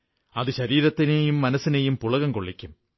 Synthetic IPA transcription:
ɐðɨɕɐɾiːɾɐt̪ːinejumːɐnɐsːinejumpuɭɐɣɐmkoɭːikʲːum

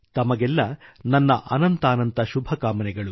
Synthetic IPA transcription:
t̪ɐmɐɡɛlːɐnɐnːɐʔɐnɐnt̪aːnɐnt̪ɐʃubʱɐkaːmɐnɛɡɐɭu

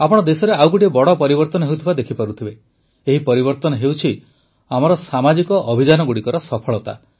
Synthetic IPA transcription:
apɔɽ̃ɔd̪esɔɾeawkuʈibɔɽɔpɔɾibɔɾt̪ɔnɔɦewt̪ʰibad̪ekʰipaɾut̪ʰibe | eɦipɔɾibɔɾt̪ɔnɔɦewt͡ʃʰi | amɔɾɔsamad͡ʒikɔʔɔbʱid͡ʒanɔɡuɽikɔɾɔsɔpʰɔɭɔt̪a̰

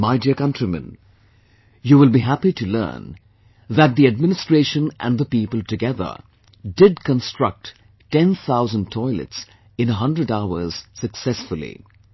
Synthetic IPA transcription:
maɪdiəkʌ̃ntɹimɨ̰̃n | juwɪlˠbiɦæpiɾɨlɜ̰̃ː˞n | ðæt̪̚d̪iɨd̚mɪnɨstɹ̥eɪʃə̃nʔæ̰̃nðəpipəlˠtɨɡɛðə̰˞ | dɪd̚kə̃nstɹ̥ʌ̰k̚t | tɛ̃nθaʊzə̃ntʰɔɪlɨ̰ts | ɨ̃nəɦʌ̃ndɹɨɾaʊə̰˞z̥sɨksɛsfəlˠḭ

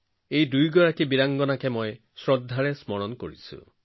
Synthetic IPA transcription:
ejdujɡɔɹakibiɾaŋɡɔnakemoj | sɹɔd̪ʱːaɾesmɔɹɔnko̰ɹḭsṵ

